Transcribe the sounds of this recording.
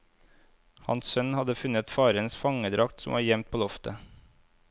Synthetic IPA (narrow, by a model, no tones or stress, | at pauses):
hɑ̰nssœnhɑd̪əfʉnət̪fɑːɾənsfɑŋəd̪ɾɑk̚t̪sɔmʋɑːɾjɛmt̪̚pʰoːlɔft̪ə